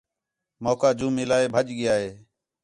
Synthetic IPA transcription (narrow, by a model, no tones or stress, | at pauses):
moːkaːd͡ʒũːmɪlaːeːbʱəʄɡɪjaːɦeː